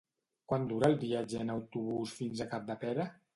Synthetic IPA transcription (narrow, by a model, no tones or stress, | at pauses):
kwand̪uɾaːlˠbiad͡ʒənəwt̪uβ̞usfinzəkap̚d̪əpɛɾə